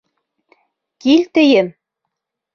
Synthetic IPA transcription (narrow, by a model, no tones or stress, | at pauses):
kilʲt̪ɘ̆jɘm